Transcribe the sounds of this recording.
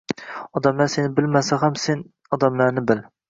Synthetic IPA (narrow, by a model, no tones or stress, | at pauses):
ɒd̪ɛmlˠæɾsenɪbɪlmæsɛχæmsen | ɒd̪æmlˠæɾnɪbɪl